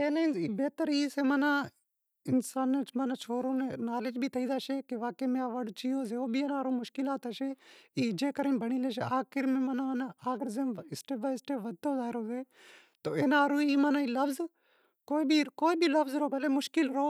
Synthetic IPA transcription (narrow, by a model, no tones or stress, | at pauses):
eːnaibeːt̪əɾiːseːmɐnãː | ɪnsaːnːeːt͡ʃmɐnaːt͡ʃʰoːɾõːnenaːlɪd͡ʒbʱiːt̪ʰəiːd̪aːʃeːkeʋaːkeːmẽɐʋəɽt͡ʃiːoːzeːoːbʱieːnaːɾũːmʊʃkɪlaːt̪aʃeːiːd͡ʒeːkəɾẽnbəɽ̃iːleʃeaːxɪɾmẽːmɐnanaaːɡəɾzeːmɪsʈeːbaɪsʈeːʋɐd̪̚oːzaːɾoːzeː | t̪oːeːnaːɾõːiːmanaːiːlɐfz | koːibʱikoːibiːlɐfzɾoːbʱɐleːmʊʃkɪlɾoː